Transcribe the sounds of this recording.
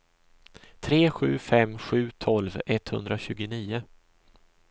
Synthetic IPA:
t̪ʰɾeːɧʉ̟ːfɛmɧʉ̟ːt̪ʰɔlvɛt̪hɵnd̪ɾaɕʉ̟ːɡʊniːʊ

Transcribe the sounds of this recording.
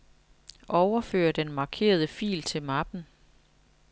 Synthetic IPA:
ʔɒʊɐfø̰ːɐd̥enmɑ̈ːkʰe̝̰ːɐð̞ˠəfḭːlt͡sʰe̝lmɑ̈b̥n̩

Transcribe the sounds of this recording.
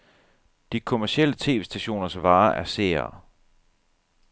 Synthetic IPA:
d̥ikʰo̝mæɐsiel̰ət͡sʰe̝̰ːʋe̝ːsd̥æɕo̝̰ːnɐsʋɑ̈ːʔæɐseːɐ

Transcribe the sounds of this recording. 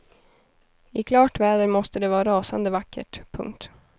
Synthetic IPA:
ɪkʰlɑːʈvɛːd̪əɾmɔst̪əd̪ɛvɑːɾɑːsand̪əvakːə̰ʈpʰɵ̰ŋkt̪

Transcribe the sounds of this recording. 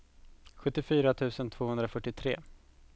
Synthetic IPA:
ɧɵt̪ːɪfyːɾat̪ʰʉ̟ːsənt̪ʰv̥oːhɵnd̪ɾafœʈːɪt̪ʰɾḛː

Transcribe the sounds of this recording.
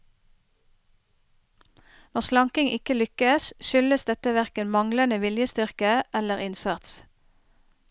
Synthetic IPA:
nɔʁslɑŋkɪŋʔɪkəlʏkəsʃʏləsd̪ɛt̪əʋæʁkəmɑŋlənəʋɪljəst̪ʏʁkəʔɛləʁɪnsɑt̪s

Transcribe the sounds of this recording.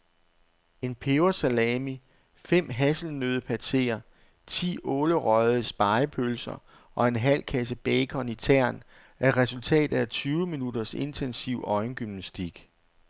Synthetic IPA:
e̝npʰeʊɐsælɛːmi | fem̰ɦæsl̩nøːð̞ˠəpʰæse̝̰ːɐ | t͡sʰḭːɔːləʁɒðˠəsb̥ɑ̈ɪpʰølsɐ̰ | ʔɒ̽e̝nɦæl̰kʰæs̬əb̥ɛːkʰɒ̽nit͡sʰæɐ̰n | ʔæɐʁɛsult͡sʰɛ̰ːd̥ð̩ˠæt͡sʰyːʊəminud̥ɐse̝nt͡sʰensiʊɒ̽ɪnɡ̥ymnæsd̥iɡ̥

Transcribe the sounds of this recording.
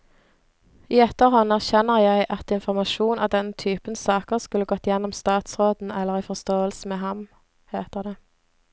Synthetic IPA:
iːɛt̪əʁhɔnæʁçɛnəʁjæɪʔɑt̪ɪnfʊʁmɑʃuːnʔɑ̰d̪ɛnt̪ʰyːpənsɑːkəʁskʉləɡɔt̪ːjɛnːɔmst̪ɑːt̪sʁoːd̪n̩ɛlːəʁiːfɔʁst̪oːəlsəmeːɦɑm | heːt̪əʁd̪eː

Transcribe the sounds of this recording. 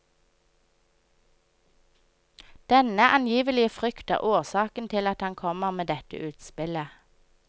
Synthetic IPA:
d̪̥ɛnəʔɑnjiːʋəlɪəfʁʏkt̪ə̰ʁʔoːʁsɑːkən̩t̪ʰɪlɑt̪hɑŋkʰɔməʁmeːd̪ɛt̪ə̰ʔʉːt̪spɪlə

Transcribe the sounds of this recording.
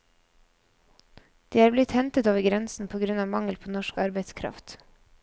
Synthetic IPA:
d̪̥iːæːɾblɪt̪hɛnt̪ət̪oːʋəɾɡɾɛnsn̩pʰoːɡɾʉnɑːʋmɑŋəlpʰoːnɔʃkɑɾbɛɪskʰɾɑ̰ft̪

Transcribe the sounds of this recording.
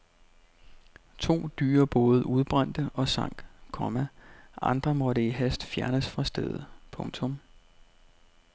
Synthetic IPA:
t͡sʰo̝̰ːd̥y̰ːɐb̥ɔ̽ːð̞̩ˠʔuð̞ˠb̥ʁɑn̰d̥əɒ̽sɑ̈ŋ̰ɡ̥kʰɒ̽mæʔɑ̈nd̥ʁɐmɒ̽ɾeiɦæsd̥fjæɐnəsfʁɑ̈sd̥eð̞ˠpʰɔ̽ŋt͡sʰɔ̽m

